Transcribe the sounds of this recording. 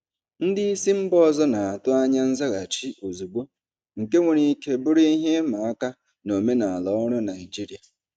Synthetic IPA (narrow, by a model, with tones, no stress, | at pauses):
n̩˦dɪ˦i˦si˦m̩˦bɔ˦˨zɔ˦na˨a˨tʊ˦a˦ɲa˦n̩˦za˦ɣa˨t͡ʃi˦ʔo˨zu˨ɡ͡bo˦ | ŋ̩˨ke˦ŋʷe˨ɾi˨ke˦bʊ˦ɾi˦i˦ɦe˦ma˨a˦ka˦ | no˨me˦na˨a˨lɔ˨˦ɔ˦ɾʊ˦na˨ɪ˨d͡ʒi˦ɾi˨a˨